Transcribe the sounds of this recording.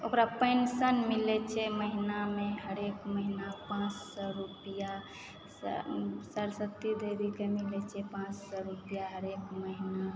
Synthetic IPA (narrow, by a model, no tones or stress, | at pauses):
okɾapəɪnsənmilɛt͡ʃʰɛməɦinameɦəɾekməɦinapãt͡ʃsɔɾupija | ssəlsət̪ːid̪eɾikemilɛt͡ʃʰɛpãt͡ʃsɔɾupijaɦəɾekməɦina